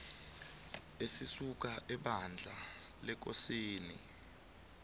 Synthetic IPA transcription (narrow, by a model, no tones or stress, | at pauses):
esisuk̬aʔɛɓand͡ɮʱa | lɛk̬osiːnḭ